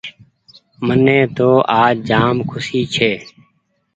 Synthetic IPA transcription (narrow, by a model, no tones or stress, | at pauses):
mənːẽːt̪oːʔaːd͡ʒaːmkʰʊsiːt͡ʃʰeː